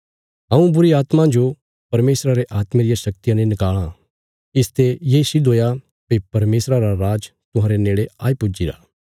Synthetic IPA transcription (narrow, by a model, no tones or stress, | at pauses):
ɦɐ̃ũbʊɾiaːt̪mãd͡ʒo | pɐɾmeːsɾaɾeʔaːt̪mẽɾɪjaʃɐk̚t̪ijãnẽnɪkaːɭ̃ã | ɪst̪ejeːsid̪oːja | pepɐɾmeːsɾaɾaɾaːd͡ʒt̪ʊɦãːɾeneːɭeaːipʊd͡ʒiɾa̰ː